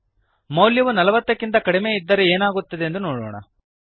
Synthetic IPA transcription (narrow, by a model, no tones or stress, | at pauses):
mɐwljɐʋunɐlɐʋɐt̪ːɐkːint̪̬ɐkɐɽime̞id̪ːɐɾeeːnaːɡut̪ːɐd̪e̞ːnd̪unoːɽoːɳɐ̰